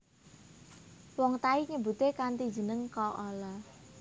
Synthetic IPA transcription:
wɔŋt̪aiɲəbṳt̪ekant̪i̥d͡ʒə̤nəŋkɔʔɔlɔ

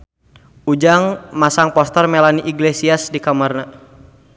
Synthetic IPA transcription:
ʔud͡ʒaŋmasaŋpɔst̪ərmɛlaniʔiɡlesiasdikamarna

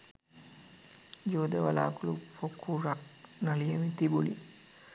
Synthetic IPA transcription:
d͡ʒoːd̪eʋɐla̰ːkulupokʰːuɾaknɐliemit̪ibulḭ

